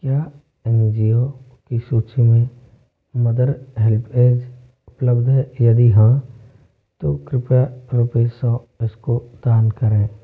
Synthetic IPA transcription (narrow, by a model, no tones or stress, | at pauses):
kjaː | ẽnd͡ʒio | kisuːt͡ʃʰimẽ | məd̪əɾɦɛlpʰeːd͡ʒ | ʊpləbd̪ʱɦɛjəd̪iɦã | t̪oːkɾɪpaɾupesɔ̃ː | ɪskod̪aːnkəɾẽː